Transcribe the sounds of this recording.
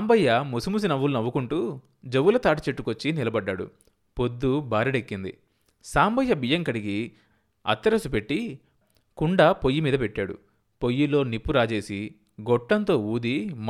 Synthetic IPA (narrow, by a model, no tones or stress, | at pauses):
mbɐjːɐmusumus̬inɐʋːulnɐʋːukuɳʈuː | d͡ʒeʋːulɐt̪aːʈɐt͡ʃeʈːukot͡ʃːinilɐbɐɖːaːɽṵ | pod̪ːubaːɾɐɖekːind̪ḭ | saːmbɐjːɐbijɐŋkɐɽiɡi | ɐ̰t̪ːɐɾɐsupe̞ʈːi | kuɳɖɐpo̞jːimiːd̪ɐpeʈːaːɽṵ | po̞jːilːo̞ːnipːuɾaːd͡ʒe̞ːsi | ɡɔʈːɐnt̪o̞ːuːd̪im